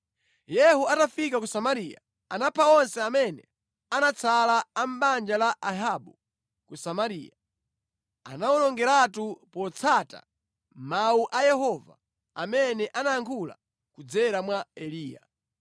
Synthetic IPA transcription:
jɛhuatafikakusamaɾija̰ | anapʰaɔnsɛamɛnɛ | anat͡sʰalaːm̩ɓand͡ʒalaʔaɦaɓu | kusamaɾḭːja | a̰nawɔlɔŋɡɛɾatupɔt͡sʰata̰ | mauʔajɛɦɔva̰ | amɛnɛʔanajaŋkʰula̰ | kud͡zɛɾamwaɛliːja̰

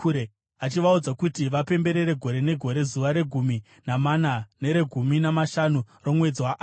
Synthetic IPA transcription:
e | at͡ʃiʋaud͡zakutiʋape̞mbe̞ɾe̞ɾe̞ɡʱo̞ɾe̞ne̞ɡʱo̞ɾe̞zuʋaɾe̞ɡʱumi | namanane̞ɾe̞ɡʱuminamaʃanuro̞mwe̞d͡ziwaʔ

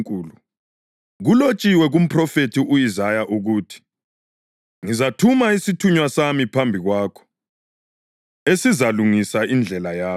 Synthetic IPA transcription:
kʼuːlu | ɣulot͡ʃʼiwɛɣum̩pʰrɔfetʰiʔujizajaʔuɣuːtʰi̥ | ŋizatʰumaisitʰuɲwasamipʰambʱiɣwaːkʰɔ̥ | esizaluŋisaind͡ɮʱɛlajaː

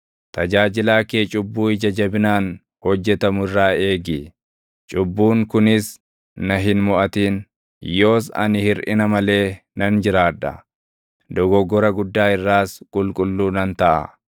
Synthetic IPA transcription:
t̪ɐd͡ʒaːd͡ʒɪlaːkeːt͡ʃʼʊbːuːɪd͡ʒɐd͡ʒɐbɪnaːn | hɔd͡ʒːɛt̪ɐmʊɪrːaːe̞ːɡɪ | t͡ʃʼʊbːuːŋkʊnɪs | nɐɦɪnmɔʔɐt̪iːn | jo̞ːs̬ɐ̰nɪhɪɾʔɪ̰nɐmɐle̞ː | nɐnd͡ʒɪɾaːd̪ɐ̰ | d̪ɔɡɔɡɔɾɐɡʊd̪ːaːɪrːaːskʼʊlkʼʊlːuːnɐnt̪ɐʔɐ̰

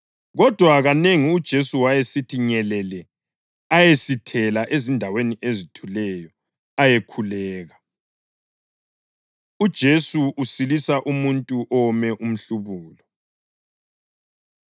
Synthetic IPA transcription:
ɣɔd̥ʱwaɣaneŋiud̥ʒ̥ʱesuwajesitʰiɲɛlɛlɛ | ajesitʰɛlaʔezindʱaweniʔezitʰulɛjɔ | ajekʰulɛːɣa | ud̥ʒ̥ʱesuʔusilisaʔumuntʼuʔɔmɛʔum̩ɬuβuːlɔ

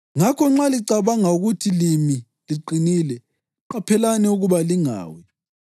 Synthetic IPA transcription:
ŋakʰɔŋ͡ǁaliǀaβaŋauɣutʰilimi | liǃiniːlɛ | ǃapʰɛlanɛuɣuβaliŋa̰ːwɛ

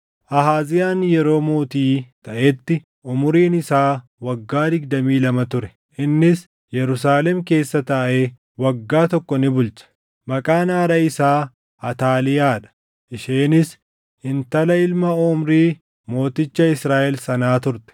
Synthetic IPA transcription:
ʔɐɦaːzɪjaːnjɛɾo̞ːmoːt̪iːt̪ɐʔet̪ːɪ | ʔʊmʊɾiːnɪsaːwɐɡːaːd̪ɪɡd̪ɐmiːlɐmɐt̪ʊɾɛ | ʔɪnːɪs | jɛɾʊsaːlɛmke̞ːsːɐt̪ɐʔe | wɐɡːaːt̪ɔkːɔnɪbʊlt͡ʃɐ̥ | mɐkʼaːnaːɾɐɪsaː | ɐt̪aːlɪjaːᶑɐ̥ | ʔɪʃeːnɪs | ɪnt̪ɐlɐɪlmɐɔmɾiː | mo̞ːt̪ɪt͡ʃːɐɪsɾaːʔɛlsɐnaːt̪ʊɾt̪ɛ̥

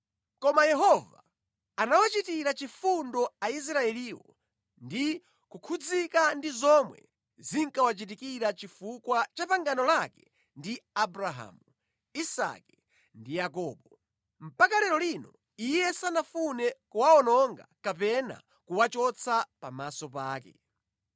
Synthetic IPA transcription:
kɔmajɛɦɔva̰ː | nawat͡ʃitiɾat͡ʃifundɔais̬ɾaɛliːwɔ | ndi | kukʰud͡zikandizɔmwɛ̰ | ziŋkawat͡ʃit̬ikiɾat͡ʃifukwat͡ʃapaŋɡanɔlakɛ̥ | ndiabɾaɦa̰ːmu | isa̰kɛ | ndijakɔːɓɔ | m̩pakalɛɾɔlinɔ | ijɛsanafunɛkuwaɔnɔŋɡa̰kapɛna̰ | kuwat͡ʃɔt͡sʰapa̰masɔpaːkɛ̰

